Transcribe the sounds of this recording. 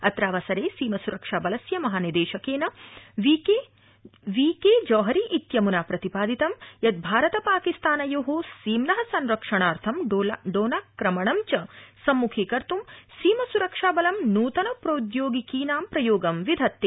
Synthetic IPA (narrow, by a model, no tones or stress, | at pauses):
ɐt̪ɾaːʋɐsɐɾeːsiːmɐsuɾɐkʂaːbɐlɐsjɐmɐɦaːnid̪eːʃɐkeːnɐʋike | ʋiːkeːd͡ʒɐːɦɐɾiʔit̪jɐmunaːpɾɐt̪ipaːd̪ʱit̪ɐmjɐd̪̚bʱaːɾɐt̪ɐpaːkist̪aːnɐjoːɦoːsiːmnɐɦɐsɐnɾɐkʂɐɳaːɾt̪ʰɐmɖoːnaːkɾɐmɐɳɐmt͡ʃɐsɐmːukʰiːkɐɾt̪umsiːmɐsuɾɐkʂaːbɐlɐmnuːt̪ɐnɐpɾoːd̪joːɡikiːnaːmpɾɐjoːɡɐmʋid̪ʱɐt̪ːi